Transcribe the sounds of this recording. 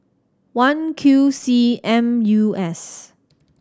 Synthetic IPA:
wãnkʰjusiɛ̃mjuɛs

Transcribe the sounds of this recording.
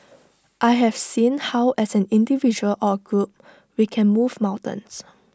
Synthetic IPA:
ʔajɦɛv̥sĩnhaʊʔɛsɛ̃nĩndivid͡ʒuəlʔɔəɡɹup̚ | wikʰɛ̃nmuvmãw̃ntə̰̃ns

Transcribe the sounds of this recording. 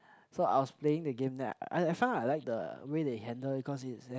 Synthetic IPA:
soa̰ɪwɔspleɪ̃ŋdəɡẽmdɛa̰ɪaɪfãɪ̃naɪlaɪk̚də̰wedeɦɛ̃ndəlbikʰɔsitsɛ

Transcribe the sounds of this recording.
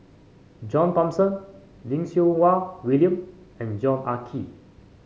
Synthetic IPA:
d͡ʒɔ̃ntɔ̃msə̃n | lĩŋsiowawiliə̃m | ɛ̃nd͡ʒɔ̃nakʰi

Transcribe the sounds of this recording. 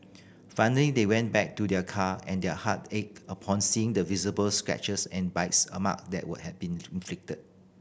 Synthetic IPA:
faɪnəlidewɛ̃ntbɛk̚tudɛkʰaɛ̃ndɛhatek̚əpʰɔ̃nsiɪ̃ŋdəvizəbəlskɹɛ̰t͡ʃəsɛ̃nbaɪtsə̰ma̰k̚dɛ̰ʔ̚wud̚hɛvbĩnĩnflɪk̚təd̚

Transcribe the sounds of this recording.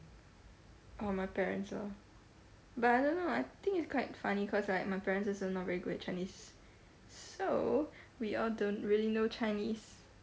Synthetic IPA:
ʔomaɪpɛɹə̰̃ntsɔ̰ | bataɪdõnːoaɪt̪ɪ̃ŋkɪtskʰwaɪtfanikʰɔslaɪk̚maɪpɛɹə̃nsɪsonːɔtvɛɹiɡudɛt̚t͡ʃʰaɪ̃nis | so | wiɔldõntɹiəlinot͡ʃaɪnis

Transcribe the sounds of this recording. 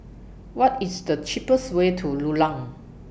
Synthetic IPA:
wɔtisdət͡ʃipəswetʰululãŋ

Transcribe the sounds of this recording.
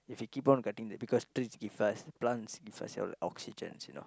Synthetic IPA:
ifjukipɔ̃nɡatĩŋdɛt̚bikɔstɾisɡifasplãntsɡifa̰sɔ̰l̰ʔɔksid͡ʒə̰̃nsjuno̰

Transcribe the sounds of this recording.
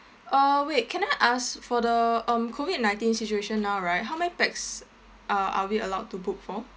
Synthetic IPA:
ʔʌwekʰɛ̃naɪʔasfɔdəʌ̃mkʰovid̚nãɪ̃ntĩnsit͡ʃueʃə̃nːaʊɹaɪt̚ɦawmɛpɛk̚s | ʔaa̰wiəlaʊtːubuk̚fɔ

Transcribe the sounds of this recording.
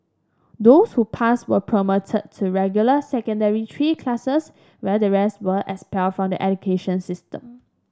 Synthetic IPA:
doshupʰaswəpʰɹəmotʰəd̚tʰːuɹɛɡjuləsɛkə̃ndəɹitʰɹikʰlasəs | wɛdəɹɛstwəʔɛkspɛldfɹɔ̃mdiʔɛdukʰeʃə̃nsɪstə̰̃m

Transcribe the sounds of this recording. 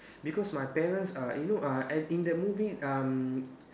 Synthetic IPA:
bikɔsmajpɛɹə̃nsajunoʔaʔɛĩndɛt̚muviam

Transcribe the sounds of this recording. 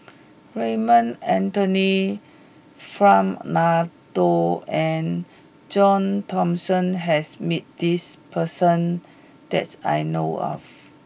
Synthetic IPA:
ɹemə̃nɛ̃ntoni | fɹãmnatoɛ̃n | d͡ʒɔ̃ntʰɔ̃msə̃nɦɛsmit̚d̥ispʰəsə̃n | d̥ɛ̰ta̰jnoɔ̰f

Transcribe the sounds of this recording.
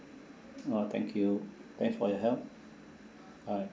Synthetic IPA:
ot̪ʰɛ̰̃ŋkʰjut̪ɛ̃kfɔjɔɦɛlp̚ | a

